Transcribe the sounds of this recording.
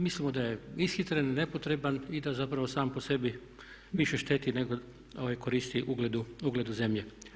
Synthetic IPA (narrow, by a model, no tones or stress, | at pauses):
mislimod̪ajeisxit̪ɾennepot̪ɾe̞banid̪azapɾaʋo̞saːmpo̞se̞bi | ʋiʃeʃt̪eːt̪ineɡo | oʋajkoɾiːst̪iʔuɡled̪uuɡled̪uze̞mʎe